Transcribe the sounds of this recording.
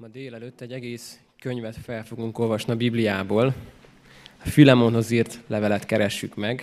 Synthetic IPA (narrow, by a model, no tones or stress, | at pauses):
mɒd̪eːlɛløt̪ːɛɟːɛɡeːs | kø̞ɲvɛt̪fɛlfo̞ɡuŋko̞lvɒʃniɒbiblijaːboːl | ɒfylɛmo̞nɦo̞ziːrt̪lɛvɛlɛt̪kɛɾɛʃːykmɛɡ